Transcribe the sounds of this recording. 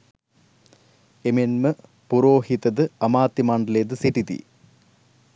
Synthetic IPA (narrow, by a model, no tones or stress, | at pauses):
emenmɨ | puɾoːhit̪ɐðɨɐmaːt̪ːimaːɳɖɐleːd̪ɨsiʈit̪ḭ